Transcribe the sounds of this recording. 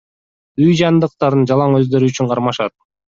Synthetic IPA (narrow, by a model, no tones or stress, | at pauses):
yjd͡ʒɑnd̪ɯq̚t̪ɑɾɯnd͡ʒɑlˠɑŋø̞zd̪ø̞ɾyyt͡ʃyɴqʰɑɾmɑʃɑt̪̚